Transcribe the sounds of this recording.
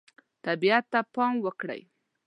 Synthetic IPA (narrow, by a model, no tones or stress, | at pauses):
t̪abiat̪ːapɑmwəkɽə̰j